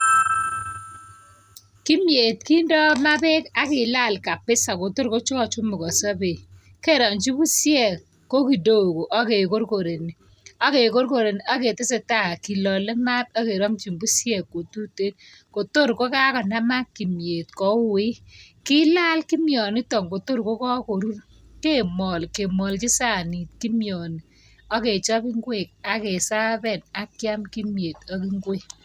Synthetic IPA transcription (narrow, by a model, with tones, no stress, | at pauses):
ki˦mje˨tki˦ndɔ˦ma˦pɛ˦ka˨kɪ˨la˦˨lka˨pɪ˦sa˨ko˨to˦ɾko˦t͡ʃʊ˦kɔ˨t͡ʃu˦mʊ˨kɔ˨sa˦be˨ | ke˦˨ɾɔ˨nt͡ʃi˦bu˦sjɛ˦˨kː | o˦ki˨do˦˨ko˨ʔa˦ke˨ko˦ɾko˨ɾe˨ni˨ | a˦ke˨ko˦ɾko˨ɾe˨n˨a˦ke˨tɪ˦se˨ta˦˨a˨ki˨lɔ˨le˦ma˦t̚a˦ke˨ɾɔ˦mt͡ʃi˨mbu˦sjɛ˦˨kːo˨tu˦te˦n | ko˨to˦˨ɾko˦ka˦kɔ˨na˦ma˦kːi˨mje˨tkɔ˨˦we˦ki˦la˦lki˦mjɔ˨ni˦tɔ˨ŋko˨to˦ɾko˦kɔ˦ko˨ɾu˦r | ke˦mɔ˨lke˨mɔ˨lki˦sa˦˨ni˨t̚ki˦mjɔ˨ni˨ | a˦ke˨t͡ʃɔ˦bi˦ŋɡwe˨k̚a˦ke˨sa˦bɛ˦˨na˦kja˦mki˦mje˨tɔ˦ki˦ŋɡwe˦k